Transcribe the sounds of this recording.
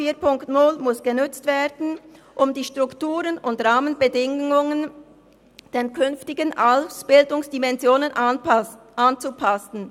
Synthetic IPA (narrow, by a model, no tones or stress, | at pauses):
fiːpʊŋktnʊlmʊsɡ̥ənʏt͡stv̥eːdn̩ | ʔʊmdiːʃtʁ̥ʊktuːʁənʊntʁaːmənbədɪŋʊŋən | d̥enkʰʏnftɪɡənʔalsb̥ɪldʊŋsd̥imɛnzjoːnən | ʔant͡supʰasn̩